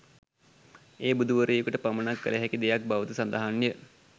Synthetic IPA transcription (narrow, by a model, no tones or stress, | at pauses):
eːbud̪uʋəɾəjokuʈəpamənakːə̰lʔəɦækid̪ejak̚baʋət̪usand̪aɦanːjə